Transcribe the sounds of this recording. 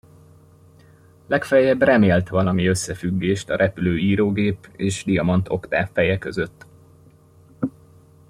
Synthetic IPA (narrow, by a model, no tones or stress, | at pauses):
lɛkfɛjɛbrɛmeːlt̪ʋɒlɒmiø̞sːɛfyɡːeːʃt̪ɒɾʔɛpyløːiːɾoːɡeːpeːʃd̪ijɒmɒnt̪o̞kt̪a̰ːfːɛjɛkø̞zøt̪ː